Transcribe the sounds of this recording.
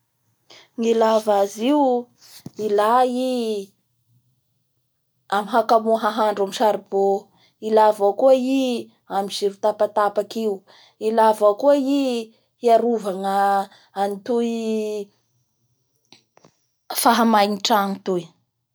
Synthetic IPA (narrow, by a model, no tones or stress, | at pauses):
ŋilavaziw | ilai | amiɦakamuɦaɦaɳɖ͡ʐamiʃaɾibo | ilavakuəi | amiz̥iɾut̪apat̪apakiu | ilavakəi | hiaɾuvaŋə | anit̪ui | faɦamajniʈ͡ʂaŋit̪uj